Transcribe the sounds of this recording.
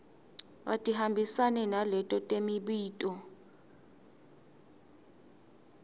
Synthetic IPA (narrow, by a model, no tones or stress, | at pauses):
wa̰tʼihambʱisanɛnalɛtʼɔtʼemiɓiːtʼɔ